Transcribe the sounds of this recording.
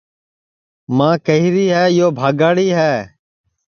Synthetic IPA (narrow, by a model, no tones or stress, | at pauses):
mãːkəɦiɾiːɦɛːjoːbʱaːɡaːɽiːɦɛː